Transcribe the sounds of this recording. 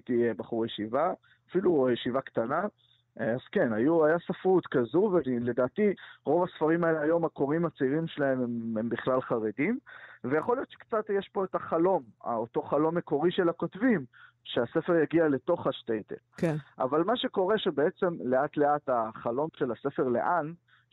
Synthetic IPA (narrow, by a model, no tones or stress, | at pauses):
t̪ijebaχuʁjeʃiva | afilujeʃivakt̪ana | az̥ke̞najuajasafʁut̪kazuvele̞daːtiʁo̞vasfaʁimaeleajo̞mako̞ʁimat͡seiʁimʃelahe̞memembiχlalχaʁe̞dimvejaχolijo̞t̪t͡ʃʃe̥kt͡satjeʃpo̞etaχalo̞ma̰oto̞χalo̞mːe̞ko̞ʁiʃelako̞tvim | ʃeasefeʁjaɡiale̞to̞χaʃtejt̪ḛlkʔa̰valmaʃe̞ko̞ʁe̞ʃebe̞e̞t͡se̞mle̞atleataχalo̞mʃe̞lase̞feʁle̞̰ʔan